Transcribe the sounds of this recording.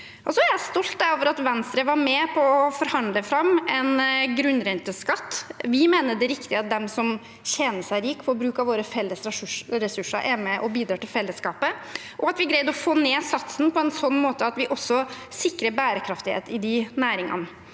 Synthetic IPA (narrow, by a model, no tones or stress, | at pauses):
ʔɔsɔæɾjæɪst̪ɔlt̪̚d̪æɾoːʋəɾɑt̪ʋɛnst̪ɾəʋɑɾmɛpʰɔːfɔɾhɑnd̪ləfɾɑmɛnɡɾʉnːɾɛnt̪əskɑt̪ːʋɪmeːnəd̪ɛɾɪkt̪ɪɑt̪̚d̪ɛmsɔm | ɕɛnəʂæɪɾiːkfɔɾbɾʉːkɑʋoːɾəfɛlːəsɾʂʂɾɛsʉʂːə̰ɾʔæɾmɛʔɔbiːd̪ɾɑːʈ̪ɪlfɛlːəskɑːpə | ʔɔɑt̪ʋɪɡɾæɪd̪ɔfoːneːsɑt̪snpʰɔɛnsɔnːmoːt̪əɑt̪ʋɪʔɔsːɔ | sɪkːɾəɾbæːɾəkʰɾɑft̪ɪhḛːt̪ɪd̪ɪnæːɾɪŋɑ̰nə